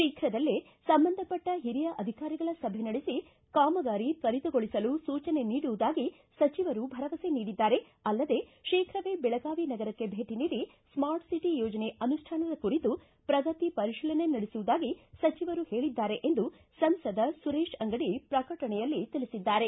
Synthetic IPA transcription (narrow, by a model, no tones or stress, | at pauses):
ʃiːkʰɾɐd̪ɐlːi | sɐmbɐnd̪ʱɐpɐʈːɐɦiɾijɐʔɐd̪ʱikaːɾiɡɐɭɐsɐbʱenɐɽesi | kaːmɐɡaːɾikɐɾit̪ɐɡoɭisɐlusuːt͡ʃɐne̞niːɽuʋud̪aːɡi | sɐt͡ʃiʋɐɾubʱɐɾɐʋɐseniːɽid̪ːaːɾe̞ | ɐlːɐd̪e̞ʃiːkʰɾɐʋeːbɛɭɐɡaːʋinɐɡɐɾɐkːe̞bʱe̞ːʈiniːɾi | smaːɾʈsiʈijɔːd͡ʒɐne̞ɐnuʂʈʰaːnɐd̪ɐkuɾit̪u | pɾɐɡɐt̪ipɐɾiʃilɐne̞nɐɽesuʋud̪aːɡisɐt͡ʃiʋɐɾuhe̞ːɭid̪ːaːɾe̞ʔend̪u | sɐmsɐd̪ɐsuɾeːʃɐŋɡɐɽipɾɐkɐɭʈɐɳɛjɐlːit̪ilisid̪ːaːɾe̞